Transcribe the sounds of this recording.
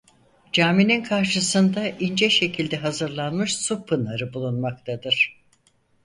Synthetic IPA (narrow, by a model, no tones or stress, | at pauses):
d͡ʒaːmininkʰaɾʃɯsɯnd̪aʔind͡ʒɛʃe̞cʰilʲd̪ɛɦazɯɾlˠanmɯʃsupʰːɯnaɾɯbulˠunmak̚t̪ʰad̪ɯɾ̥